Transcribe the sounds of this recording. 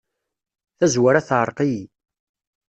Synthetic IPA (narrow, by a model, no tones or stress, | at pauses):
θæzwaɾæθʕəɾˤqiji